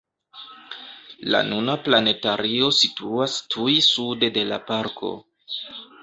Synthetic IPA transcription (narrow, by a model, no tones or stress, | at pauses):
la̰nunaplane̞taɾio̞situastʰujsude̞de̞la̰paɾkʰo̞̰